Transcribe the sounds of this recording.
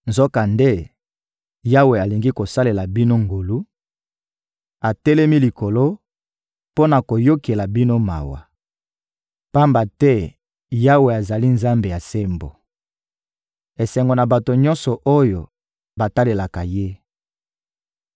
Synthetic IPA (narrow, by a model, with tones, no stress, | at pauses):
nzo˦ka˨nde˦ | ja˦we˨a˨li˨ŋɡi˦ko˨sa˦le˨la˨bi˦no˦ŋɡo˨lu˦ | a˨tɛ˦lɛ˦mi˦li˨ko˨lo˦ | po˦na˨ko˨jo˦ke˨la˨bi˦no˦ma̰˨wa̰˨ | pa˦mba˨tɛ˦ | ja˦we˨a˨za˨li˦nza˦mbe˨ja˨se˦mbo˨ | e˨sɛ˨ŋɡo˨na˨ba˨to˨ɲɔ̃˦nsɔ˨ʔo˦jo˨ | ba˨ta˦le˨la˨ka˨je˦